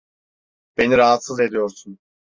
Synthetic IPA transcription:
b̥e̞niɾaɦat̪sɯze̞d̪ijo̞ɾsun

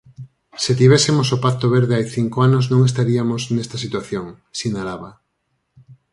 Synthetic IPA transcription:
set̪iβɛsemos̬opak̚t̪oβ̞eɾðeajθiŋkoanoznõŋes̬t̪aɾiamosnɛst̪ɐsit̪waθjoŋ | sinalaβa

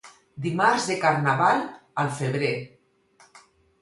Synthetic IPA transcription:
d̪imaɾzðekaɾnaβalˠalˠfeβɾe

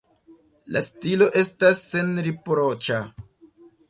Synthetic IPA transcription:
la̰stilo̞ʔe̞stasːe̞nɾipɾo̞t͡ʃa

